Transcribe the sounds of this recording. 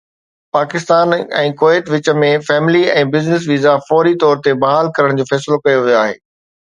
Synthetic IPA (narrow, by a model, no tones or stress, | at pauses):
paːkɪst̪aːnɛ̰̃ːkoːɛːt̪ʋɪt͡ɕə̆mẽfɛːmɪliɛ̃ːbɪznɪs̬ʋiːzafɔːɾit̪ɔːɾt̪ebɐɦaːlkɐɾəɽ̃d͡ʑoːfɛːsɪlokɐjoʋijoaːɦḛː